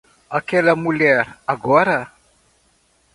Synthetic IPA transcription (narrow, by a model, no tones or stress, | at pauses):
akeləmulɛɾaɡoaɾa